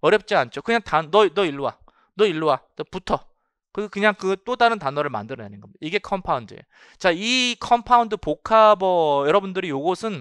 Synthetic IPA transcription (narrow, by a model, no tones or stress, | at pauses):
ʌɾjʌp̚t͡ɕ͈iant͡ɕʰokɯɲaŋtannʌnʌiɭːuwa̰ | nʌiɭːuwat͈oputʰʌ | kɯɡkɯɲaŋkɯt͈odaɾɯntanʌɾɯɭma̰ndɯɾʌnanɯnɡʌmidiɡe̞kʰʌmpʰaundɯḛ | t͡ɕaikʰʌmpʰaundɯpokʰabʌjʌɾʌbundɯɾijoɡosʰɯn